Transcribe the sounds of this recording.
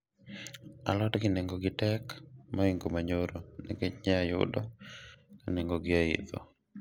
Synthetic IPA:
a̰lɔtɡɪneŋɡoɡɪtɛkmɔɪŋɡomaɲoɾoniket͡ʃɲɛajʊ̰dɔkaneŋɡoɡɪaḭt̪o̰

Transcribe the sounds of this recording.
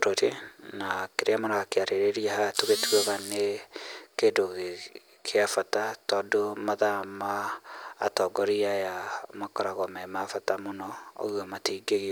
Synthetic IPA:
ɾoɾenakeɾeamanaɣakeaɾeɾeɾiahatoɣetuaɣane | kedoɣe | kʰeafatatɔːdomaðamaː | tɔɡɔɾiajamakɔɾaɣɔmɛmafatamonɔo̰ɣamatiɡeɣi

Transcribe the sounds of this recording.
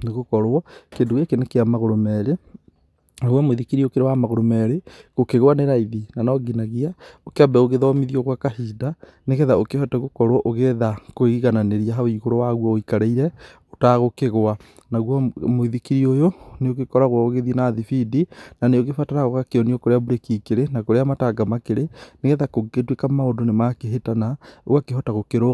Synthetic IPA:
neɣokɔɾwɔkendoɣekenekeamaɣoɾomɛɾe | naɣwamoiðikiɾiokeɾewamaɣoɾomɛɾeɣokeɣwaneɾaiðinanɔɡinaɣiaokeabɛoɣeðɔmiðiɔɣwakahiːda | neɣeðaokehɔtɛɣokɔɾwɔʔoɣeðakoɣiɣananeɾiaɦaoiɣoɾowaɣwɔoikaɾeiɾɛotaɣokeɣoanaɣwɔmoiðikiɾiojoneoɣekɔɾaɣwaoɣeðienaðifidinaneoɣefataɾaɣoɣakeɔniɔkoɾeaβuɾekikeɾenakoɾeamataɡamakeɾeneɣɛðakoɡetwekamaodonemakeɦetanaakeɦɔtaɣokeɾo

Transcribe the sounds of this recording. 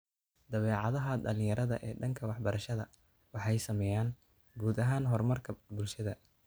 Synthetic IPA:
d̪̥ɐβɛːʕɑðɐɦɐdɐlɪ̃jɐɾɐðɐ̰ʔɛːɖɐŋkʰɐwɑħbɐɾɐʃɐðɐ | wɑħɑjsɐmɛjaːn | ɡuːd̪ɐɦaːnɦɔrmɐrkʰɐbʊlʃɐðɐ

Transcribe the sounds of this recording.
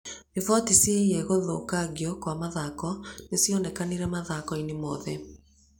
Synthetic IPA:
ivɔtisiɛɣoðokaɣiɔkwamaðakɔnesiɔnɛkaniɾɛmaðakɔinemɔːðɛ

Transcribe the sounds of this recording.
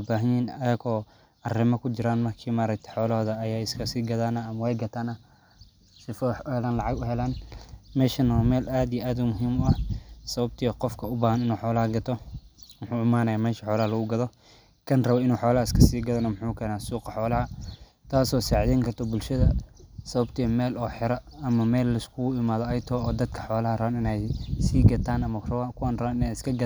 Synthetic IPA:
baːɦɐniːnɐðɐɣɔː | ɐrɪmɐkʰʊt͡ʃɪɾaːnmɐrkʰiːmaːɾɐk̚t̪ʰɛ̥ħɔːlɐɦɔðɐːjaːɪskʰɐsiːɡɐðaːnɐɐmɐwɛjɡɐt̪ʰaːnɐ | sɪfɔʊhɛlaːnlɑʕɑɡʊɦɛlaːnmɛːʃɐnɔmɛːlʔaːd̪ijɛʔaːd̪ʊmʊɦiːmʊɐhsɐβɐb̚t̪ʰɐjɐqɔfkʰɐʊbaːhɐnɪnuːħɔːlɐhɐɡɐt̪ʰɔmʊħuːɪmaːnɐjaːmɛːʃɐħɔːlɐhɐlɐɣʊɡɐðɔ | kʰɐnrɐβɔɪnuːħɔːlɐhɐɪskʰɐsiːɡɐðɐnɔmħuːkʰɛːnaːsuːqɑħɔːlɐhɐ | t̪ʰaːsɔːsɛʕd̪ɛːŋkʰɐrt̪ʰɔbʊlʃɐðɐsɐβɐbt̪ʰimɛːlɔːħɪɾɐɐmɐmɛːlːɐɪskʰʊʊɪmaːðɔɐjt̪ʰɔːɔːd̪ɐd̪kʰɐ̥ħɔːlɐhɐrɐβanɪnɛjsiːɡɐt̪ʰaːnɐmɐrakʰʊwaːnrɐβaːnɪnɛːjɪskʰɐɡɐ

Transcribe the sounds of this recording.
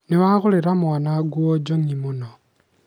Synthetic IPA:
niβaɣuliɾamwanaɡwod͡ʒoŋimuno

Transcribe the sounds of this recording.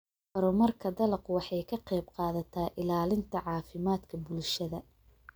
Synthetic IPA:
bɐɾʊmɐrkʰɐd̪ɐlɐqwɑħɑjkʰɐqɛjbqɑːðɐt̪ʰaːʔɪlaːlɪnt̪ʰɐʕɑːfɪmaːd̪kʰɐbʊlʃɐðɐ

